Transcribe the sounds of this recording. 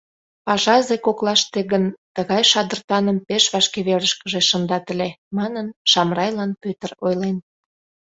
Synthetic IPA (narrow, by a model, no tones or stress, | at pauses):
pɑʒɑzekoklɑʃt̪eɣənt̪əɣɑjʃɑd̪ərt̪ɑnəmpeʃβɑʃkeβeləʃkəʒeʃə̆nd̪ɑt̪əlʲemɑnənʃɑmrɑjlɑnpøt̪ərojlen